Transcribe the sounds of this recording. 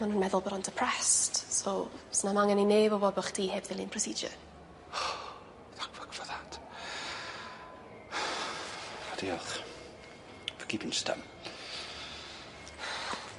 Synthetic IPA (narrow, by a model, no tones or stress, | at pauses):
manuːnmɛðʊlˠbɔɾɔntʰəpʰr̥ɛstsosnamaŋɛnineːvɔvɔdbɔχd̥ʰiːheːvðɪlˠinprɔsiːd͡ʒə̰ | ðakəkʰvɔðat | adialχ | vəɡibɪnsta̰m